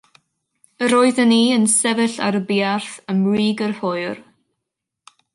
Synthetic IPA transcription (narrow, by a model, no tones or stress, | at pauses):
əɾoːɨðəniːənsɛvɨɬa̰ɾəbiːarθəmriːɡərhojr